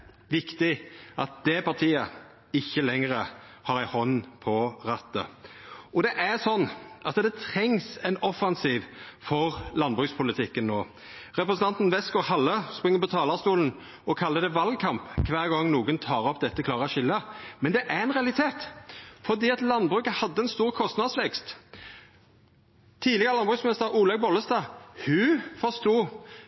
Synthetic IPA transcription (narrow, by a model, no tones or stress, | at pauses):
ʋɪkt̪ɪʔɑt̪̚d̪̥ɛpɑʁt̪ʰiːə | ɪçːəlɛŋɾə | hɑɾæɪhɔnːpʰɔʁɑt̪ːə̰ | ɔd̪ɛʔæʁsɔnːʔɑtsəd̪ɛt̪ʰɾɛŋsɛɪnɔfːɑnsiːʋfɔʁlɑnbʁʉːkspʰʊlɪt̪ʰɪkːənnːoː | ʁɛpɾəsənɑnt̪n̩ʋɛsɡɔhɑlːəspʁɪŋːəpɔt̪ʰɑːlɑʁst̪uːln̩ | ɔkʰɑlːəd̪ɛʋɑl̚kʰɑmpkʰʋæːʁɡɔŋːnuːɡənt̪ʰɑːɾɔpd̪ɛt̪ːəkʰlɑːʁəʃɪlːəmɛnd̪ɛʔæɾɛnʁɛɑlɪt̪ʰeːt̪fɔʁd̪iːɑt̪lɑnbʁʉːkəhɑd̪ːəɛnst̪uːʁkʰɔst̪nɑd̪sʋɛkst̪ | t̪ʰiːd̪lɪɡəʁlɑnbʁʉːksmɪnɪst̪əɾuːlɑɡ̚bɔlːəst̪ɑːhʉfɔst̪uː